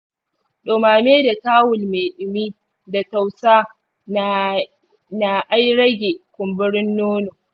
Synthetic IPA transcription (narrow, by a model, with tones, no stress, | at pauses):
ɗoː˨maː˨meː˦da˨taː˦wʊ˨lmeː˨ɗʊ˨miː˦ | da˨ta˨wsaː˦ | na˨ʔa˦jɽɐ˦ɡʲe˨kʷʊ˨mbɪ˦ɽɪ˦nːoː˦noː˨